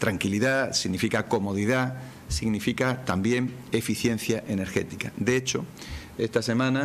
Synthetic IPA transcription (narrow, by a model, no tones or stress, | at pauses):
t̪ɾaŋkiliðasiɣnifikako̞mo̞ð̞iða | siɣnifikat̪ambje̞ŋ | e̞fiθje̞n̟θjaʔene̞ɾxe̞t̪ikad̪eet͡ʃo | e̞st̪ase̞mãna